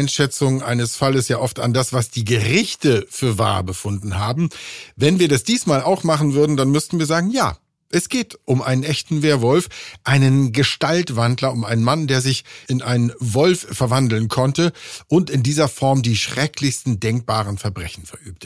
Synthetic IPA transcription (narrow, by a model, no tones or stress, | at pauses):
ɪnʃɛt͡sʊŋʔa̰ɪnəsfaləsjaːʔɔfta̰ndasv̥asd̥iːɡəʁɪçtəfyːɐva̰ːɐbəfʊndn̩haːbm̩vɛnviːɐdasd̥iːsmaːlaʊxmaχn̩vʏɐdn̩danmʏstn̩viːɐzaːɡŋ̩ja̰ː | ʔɛsɡ̥eːtʔʊmʔa̰ɪnənʔɛçtn̩veːɐvɔlfʔaɪnənɡəʃtaltv̥andlɐʊmʔa̰ɪnənmandeːɐzɪçɪnʔaɪnənvɔlffɛɐvandl̩nkʰɔntəʔʊntɪndiːzɐfɔɐmdiːʃʁ̥ɛklɪçstn̩dɛŋk̚b̥aːʁ̞ənfɛɐbʁɛçn̩fɛɐʔyːp̚tə̥